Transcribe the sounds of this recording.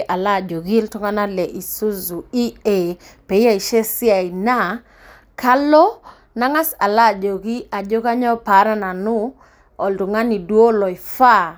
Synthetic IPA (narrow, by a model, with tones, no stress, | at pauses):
ʔa˨la˦˨d͡ʒo˨ɡi˦ltu˦ŋa˦na˦lɛ˨ʔi˨su˦zu˨i˦e˨pe˨i˦a˨i˨ʃe˦si˦a˨i˨na˦˨ | kʰa˦lɔ˦ | na˦ŋa˦sa˨la˦˨d͡ʒo˨ɡi˦ʔa˨d͡ʒo˦ka˦ɲɔ˦pa˨˦ɾa˦na˨nu˦ | ɔ˨ltu˨ŋa˦ni˨dwo˦lɔ˨i˨fa˦˨